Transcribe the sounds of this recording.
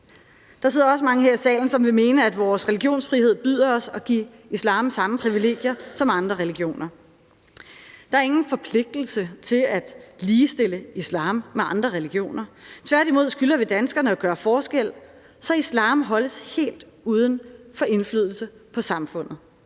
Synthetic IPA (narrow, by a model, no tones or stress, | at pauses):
d̥ɑ̈se̝ð̞̰ˠɐɒ̽s̬əmɑ̈ŋəɦeɐ̰isɛ̰ːln̩sɒ̽mʋe̝me̝ːnəæd̥ʋɒːsʁeliɡ̥jo̝̰ːnsfʁihe̝ð̰ˠb̥yð̰ˠɐɒ̽sɒ̽ɡ̥ḭː | islɑ̰̈ːmsɑ̈məpʰʁiʋile̝̰ːɡ̥jɐsɒ̽mɑ̈nd̥ʁɐʁɛliɡ̥jo̝̰ːnɐ | d̥ɑ̈æɐe̝ŋn̩fɒ̽pʰle̝ɡ̥̚d̥l̩sət͡sʰe̝læd̥liːsd̥e̝l̰əislɑ̰̈ːmːeɑ̈nd̥ʁɐʁɛliɡ̥jo̝̰ːnɐt͡sʰʋæɐd̥imo̝ð̞̰ˠsɡ̥ylɐʋe̝d̥ænsɡ̥ɐnəɒɡ̥ɶːɐfɒːsɡ̥el̰ | sɒ̽islɑ̰̈ːmɦɒ̽ləshe̝̰ːld̥ | uːð̞ˠənfɒ̽ʔe̝nflyð̞̰ˠl̩səpʰɒ̽sɑ̈mfɔ̽n̰ð̩ˠ